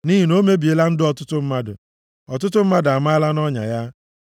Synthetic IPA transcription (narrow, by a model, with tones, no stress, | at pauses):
ni˦ɦi˨no˦me˦bi˨e˨˦la˦n̩˦dɪ˦ɔ˦tʊ˦tʊ˦m̩˦ma˦dʊ̰˨ | ɔ˨t̬ʊ˦t̬ʊ˦m̩˦ma˦da˨ma˦la˦nɔ˦ɲa̰˨ja˦